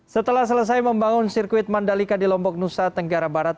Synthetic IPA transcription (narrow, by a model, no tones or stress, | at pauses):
sət̪əlahs̬ələs̬ajməmbaŋʊnsirkuɪt̪̚mandalikadilɔmbɔk̚nusat̪əŋɡaɾabaɾat̪̚